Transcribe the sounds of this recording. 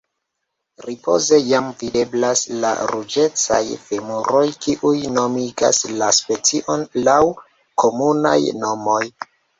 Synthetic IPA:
ɾipo̞̰ze̞jamvide̞blasla̰ɾud͡ʒe̞t͡sa̰jfemuɾo̞jkiʔujno̞miɡa̰slaspe̞t͡siʔo̞nlaw | kʰo̞muna̰jno̞mo̞j

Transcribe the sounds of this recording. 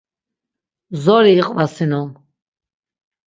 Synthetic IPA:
zɔɾiːqʼvasinɔm

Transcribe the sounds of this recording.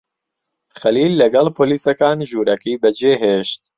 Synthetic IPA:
xɐliːlːɐɡɛlpʰoːliːsɐkaːnʒuːɾɛkiːbɛd͡ʒeːɦeːʃt̪̚

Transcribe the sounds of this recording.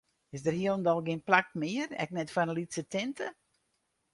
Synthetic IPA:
ɪsdərhiəlˠndɔlˠɡɪnplak̚mɪərɛ̰k̚nɛtfanəlitsətɪntʰə

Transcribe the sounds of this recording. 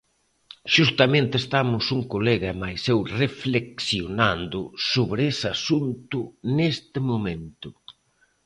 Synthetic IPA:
ʃust̪amẽnt̪est̪amʊsuŋkoleɣaemajsewrefleksjonand̪ʊsoβɾesasunt̪ʊnest̪ɪmoment̪ʊ

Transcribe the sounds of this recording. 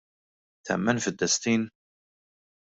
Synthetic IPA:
θæ̰mːænfəd̪ːəst̪in

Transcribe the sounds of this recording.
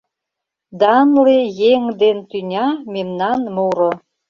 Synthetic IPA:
d̪ɑnlejeŋd̪ent̪ynʲɑmemnɑnmuɾo

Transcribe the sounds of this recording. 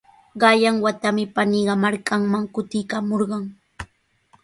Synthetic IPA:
ɢɑjaŋwat̪amɪpanɪɢɑmaɾkaŋmaŋkʊt̪ɪjkamoɾɢɑŋ

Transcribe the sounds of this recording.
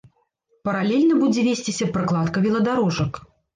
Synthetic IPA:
pɐɾalʲelʲnɐbud͡zʲɛvʲesʲt͡sʲisʲɐpɾɨklˠat̪kɐvʲilˠɐd̪aɾɔʐɐk

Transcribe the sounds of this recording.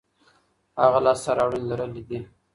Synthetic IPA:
haɣalɑst̪aɾɑwɽinzaɾalid̪i

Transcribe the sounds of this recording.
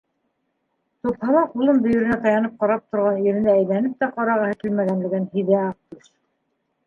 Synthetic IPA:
t̪uphɑlˠɑqulˠɤnbɵ̆jɵ̆ɾɘ̆næt̪ɑjɑnɤp̚qɑɾɑp̚t̪ŏɾʁɑniɾɘ̆nd̪æːjlænɘp̚t̪æqɑɾɑʁɤ̆hɘ̆k̪ɘlmæɣænlɘ̆ɡænhiðæɑq̚t̪uʃ

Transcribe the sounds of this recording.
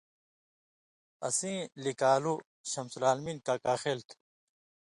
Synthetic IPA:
ɐ̰sĩːlikaːlu | ɕɐmsulaːlminkakaːxelt̪ʰ

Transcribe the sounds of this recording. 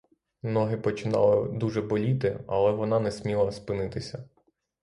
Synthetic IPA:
nɔɦɪpɔt͡ʃɪnɑ̰lˠɪd̪uʒɛbɔlʲit̪ɪɐ̰lˠɛʋɔnɑnɛsʲmʲilˠɐspɪnɪt̪ɪsʲɐ

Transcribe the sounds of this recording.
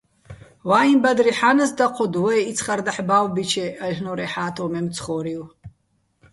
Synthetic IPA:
waːimbad̪riħanɐsdaqʷʰɔd̪wɛit͡sʰχard̪aħbawbit͡ʃʰeaʒnoɾeħaːtʰomemt͡sʰχɔɾiw

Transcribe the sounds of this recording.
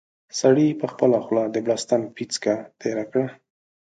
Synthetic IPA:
saɽipəxpəlaxlɑd̪əblast̪ampit͡skat̪ʰeɾakɽa

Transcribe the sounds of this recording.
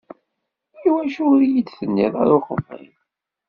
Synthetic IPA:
iwæʃʊɾjid̪θənːiðˤa̰ɾoχə̰fːḭm

